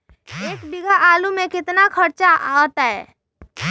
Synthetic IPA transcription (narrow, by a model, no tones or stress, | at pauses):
eːkbɪɡʱaʔaːlumẽkɪt̪nakʰəɾt͡ʃaɦɔːt̪aɦɛ̰ː